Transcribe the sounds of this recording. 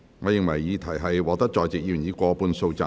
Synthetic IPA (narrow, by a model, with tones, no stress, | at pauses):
ŋɔː˨˧jɪ˨ŋwɐ˨˩jːiː˨˧t̪ʰɐ˨˩jɦɐ˨jwɔː˨˧k̚t̪ɐ˥k̚t͡ʃɔː˨jt͡sɪ˨k̚jyː˨˩njiː˨˧kʷɔː˧puː˧nso˧wt͡saː˧